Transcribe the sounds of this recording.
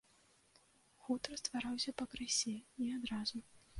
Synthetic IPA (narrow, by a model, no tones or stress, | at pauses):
xut̪ɾɐst̪vaɾawsʲɐpɐkɾɨsʲɛiad̪ɾazu